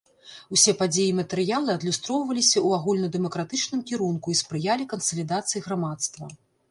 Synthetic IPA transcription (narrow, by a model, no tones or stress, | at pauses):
usʲɛpad͡zʲejimɐt̪ɛɾɨjalˠɨɐd̪lʲust̪ɾɔwvɐlʲisʲɐuaɣulʲnɐd̪ɛmɐkɾat̪ɨt͡ʂnɨmkʲiɾunkuispɾɨjalʲikɐnsɐlʲid̪at̪sɨjiɣɾamat̪st̪vɐ̰